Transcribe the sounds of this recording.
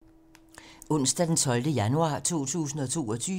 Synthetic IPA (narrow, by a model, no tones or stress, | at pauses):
ɔ̽n̰sd̥æd̥ent͡sʰɒ̽ld̥əjænuɑ̈ːt͡sʰo̝̰ːt͡sʰṵːsn̩ɒ̽t͡sʰo̝̰ːɒ̽t͡sʰyː